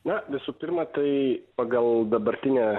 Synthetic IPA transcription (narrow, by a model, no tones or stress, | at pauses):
nɐʋʲɪsuːpʲɪɾmɐt̪ɐɪpɐɡɐlˠd̪ɐbɐɾʲt̪ʲɪnʲɛ